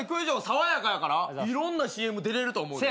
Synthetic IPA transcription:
ikɯʑoːsaβajakajakaɾaiɾõ̞nːaɕiːe̞mɯ̟d̪e̞ɾe̞ɾɯ̟t̪o̞ːmo̞ɯ̃

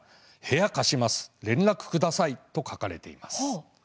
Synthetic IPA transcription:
he̞jakaɕimasɨ̥ɾẽ̞nɾakɯ̟̥kɯ̟d̪asait̪o̞kʰakaɾe̞̰t̪e̞̰ḭmas

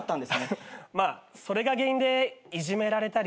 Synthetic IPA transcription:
t̪ːãnd̪esmaːso̞ɾe̞ɡaɡe̞ĩnd̪e̞iʑime̞ɾaɾe̞t̪aɾʲ

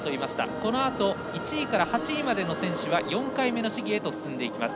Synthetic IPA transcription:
t̪oimaɕi̥t̪a̰ko̞no̞at̪o̞ | it͡ɕiːkaɾahat͡ɕiːmad̪e̞no̞sẽ̞ɰ̃ɕɨβajõ̞ŋkaime̞no̞ɕiɡʲiet̪o̞sɨ̥sɨ̃nd̪e̞ikʲimasɨ̥

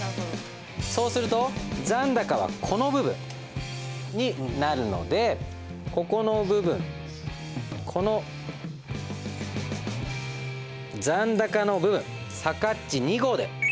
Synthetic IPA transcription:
so̞ːsɨɾɯ̟t̪o̞d͡zãnd̪akaβ̞a̰kʰo̞no̞bɯ̟bɯ̟̰̃ɴ | ɲ̟inaɾɯ̟no̞̰d̪e̞ | ko̞ko̞no̞bɯ̟bɯ̟̃ŋ | kʰo̞no | d͡zãnd̪akano̞bɯ̟bɯ̟̰̃ɴ̃ | sakatt͡ɕːiɲ̟iɡo̞ːd̪e̞̰

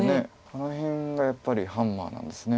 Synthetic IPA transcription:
ne | anoçĩŋɡajapːaɾʲihãmːa̰ːnã̰nd̪e̞sɨne

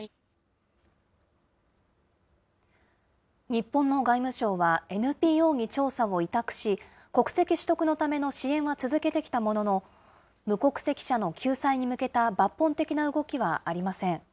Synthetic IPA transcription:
ɲ̟ipːõnːo̞ɡaimɯ̟ɕo̞ːβae̞nɯ̟pʲiːo̞ːɲ̟it͡ɕo̞ːsao̞it̪akɯ̟̥ɕi | ko̞kɯ̟̥se̞kʲiɕi̥t̪o̞kɯ̟no̞t̪ame̞no̞ɕiẽ̞ɰ̃βat͡sɨzɨke̞t̪e̞kʲi̥t̪amo̞no̞no̞ | mɯ̟ko̞kɯ̟̥se̞kʲi̥ɕano̞kʲʰɨːsaiɲ̟imɯ̟ke̞t̪abapːõnt̪e̞kʲinaɯ̟ɡo̞kʲiβaaɾʲimasẽ̞ɴ

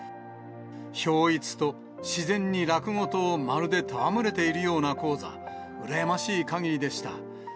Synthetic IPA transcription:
ço̞ːit͡sɨ̥t̪o̞ | ɕizẽ̞ɲ̟ːiɾakɯ̟ŋo̞t̪o̞ːmaɾɯ̟d̪e̞t̪aβamɯ̟ɾe̞t̪e̞iɾɯ̟jo̞ːnako̞ːza̰ | ɯ̟ɾajamaɕiːkaɡʲiid̪e̞ɕi̥t̪a̰

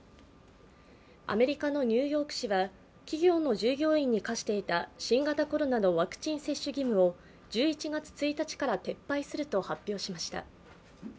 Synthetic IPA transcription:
a̰me̞ɾʲikano̞ɲ̟ʲɨːjo̞ːkɯ̟̥ɕiβa | kʲiɡʲo̞ːno̞ʑɨːɡʲo̞ːĩɲ̟ːikaɕi̥t̪e̞it̪aɕĩŋɡat̪ako̞ɾo̞nano̞βakɯ̟̥t͡ɕĩɰ̃se̞ɕːɨɡʲimɯ̟o̞ | d͡ʑɨːit͡ɕiɡat͡sɨ̥t͡sɨit̪at͡ɕi̥kaɾat̪e̞pːaisɨɾɯ̟t̪o̞hapʲːjo̞ːɕimaɕi̥t̪a̰

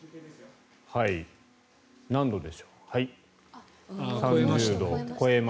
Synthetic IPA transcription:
hai | nãnd̪o̞d̪e̞ɕo̥hai | sãɲd͡ʑɨːd̪o̞koem

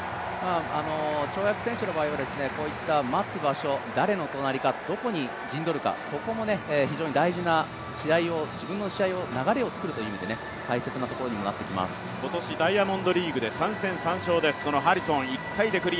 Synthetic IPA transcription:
aano̞t͡ɕo̞ːjakɯ̟sẽ̞ɕɨno̞baːiβad̪e̞sɨne̞ko̞ːit̪ːamat͡sɨbaɕo̞d̪aɾe̞no̞t̪o̞naɾʲikad̪̥o̞ko̞ɲ̟i | d͡ʑĩnd̪o̞ɾɯ̟ka̰ko̞ko̞mo̞ne̞ːçiʑo̞ːɲid̪aiʑina | ɕiaio̞d͡ʑibɯ̟̃nːo̞ɕiaio̞naɡaɾe̞o̞t͡sɨ̥kɯɾɯ̟t̪oiɯ̟imʲid̪e̞ne | kaise̞t͡sɨnat̪o̞ko̞ɾo̞ɲ̟imo̞nat̪ːe̞kʲima̰sɨ̥ko̞t̪o̞ɕid̪aiamõ̞nd̪o̞ɾʲiːɡɯ̟d̪e̞sãɰ̃sẽ̞ɰ̃sãɰ̃ɕo̞ːd̪e̞sɨ̥sono̞ɦaɾʲisõɰ̃ikʰːaid̪e̞kɯ̟ɾʲi

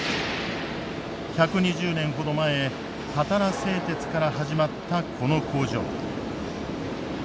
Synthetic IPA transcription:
çakɯ̟ɲiʑɨːnẽ̞ɰ̃ɦo̞d̪o̞mae | hat̪aɾase̞ːt̪e̞t͡sɨ̥kaɾaɦaʑimat̪ːakʰo̞no̞kʰo̞ːʑo̰ː

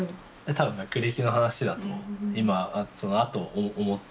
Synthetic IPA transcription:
et̪ʰabɯ̟̃ŋɡakɯ̟ɾʲikʲino̞ɦanaɕid̪at̪o̞imasonoat̪o̞ːmot̪ː

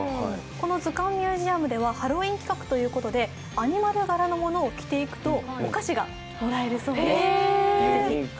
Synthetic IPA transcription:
ko̞no̞zɨkãmːʲjɨːʑiamɯ̟d̪e̞βahaɾo̞ːĩŋkʲi̥kakɯ̟̥t̪o̞jɯ̟ːko̞t̪o̞d̪e̞ | aɲ̟imaɾɯ̟ɡaɾano̞mo̞no̞ːkʲi̥t̪e̞ikɯ̟̥t̪o̞ːkaɕiɡa̰ | mo̞ɾae̞ɾɯ̟so̞ːe

